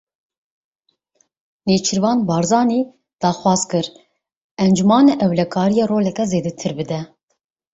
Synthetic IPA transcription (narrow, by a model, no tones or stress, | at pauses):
neːt͡ʃʰɨɾvɑːnbɑːɾzɑːniː | d̪̥ɑːxwɑːzkɨɾ | ɛnd͡ʒumɑːnɛʔɛwlɛkʰɑːɾijɑːɾoːlɛkɛzeːd̪ɛt̪ʰɨɾbɨd̪ɛ